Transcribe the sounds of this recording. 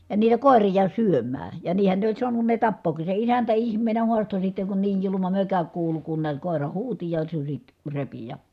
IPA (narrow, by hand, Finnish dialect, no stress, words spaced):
jɑ niːtæ koˑerijɑ syømˑæː jɑ niːhæ ne olʲ suɑnun ne tɑpːoːki se isæntæ ihmˑeːnæ huɑsto sitːeŋ kun niːj julumɑ møkæ kuːlu kun niæt koˑerɑ huːti jɑ susʲit repi jɑ